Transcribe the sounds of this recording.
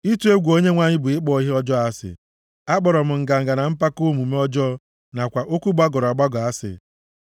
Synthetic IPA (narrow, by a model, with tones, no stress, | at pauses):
i˦tu˦e˦ɡʷo˦ɲe˦ŋʷa˨ɲɪ˦bʊ˨ɪ˦k͡pɔ˦˨i˦ɦe˦ɔ˦d͡ʒɔ˦a˦sɪ̰˨ | a˦k͡pɔ˨ɾɔ˨m̩˨ŋ̩˨ɡa˨ŋ̩˨ɡa˨na˨m̩˦pa˦ko˦mu˨me˦ɔ˦d͡ʒɔ˦ | na˨kʷa˨ʔo˦kʷu˦ɡ͡ba˦ɡɔ˨ɾa˨ɡ͡ba˦ɡɔ˨a˦sɪ̰˨